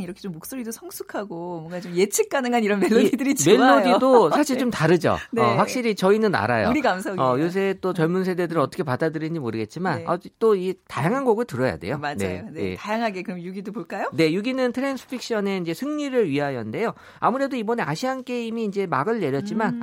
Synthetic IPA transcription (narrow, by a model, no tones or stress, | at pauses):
ŋiɾʌkʰet͡ɕomːok̚s͈oɾidosʰʌŋsʰukʰaɡomʌŋɡat͡ɕomjet͡ɕʰik̚k͈anɯŋaniɾʌnmeoidɯɾit͡ɕme̞lːojdidosʰaɕʰiɭt͡ɕomtaɾɯd͡ʑo̰nʌɸwakɕ͈iɾit͡ɕʌinɯnːa̰ɾa̰jo̰ɾikamsʰaʌjos̬ʰeːt͈ot͡ɕʌɭmunsʰe̞de̞dɯɾɯɭʌt͈ʌkʰepadadɯɾind͡ʑimoɾɯɡe̞t̚t͡ɕ͈imanʌt͈oitajaŋɦanɡʌɡɯɭtɯɾʌja̰de̞̰jomanejḛtajaŋɦaɡe̞kɯɾʌmjuɡidopoɭk͈ajone̞juɡinɯntʰɯɾensʰɯ̥pʰik̚ɕ͈ʰʌne̞ind͡ʑe̞sʰɯŋɲiɾɯɭɥiɦajʌnde̞jo | amɯuɾe̞doibʌne̞aɕʰiɦank͈e̞imiːnd͡ʑe̞maɡɯɭːe̞ɾjʌt̚t͡ɕ͈iman